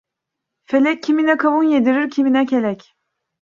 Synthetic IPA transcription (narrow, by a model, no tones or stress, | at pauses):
felʲɛcʰːiminɛkʰavunjed̪iɾiɾcʰiminɛcʰelʲɛc